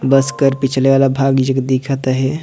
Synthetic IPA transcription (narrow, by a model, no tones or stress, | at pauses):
bəskəɾpit͡ʃʰəleʋaːlabʱaɡd͡ʒəkd̪ikʰət̪ɦɛ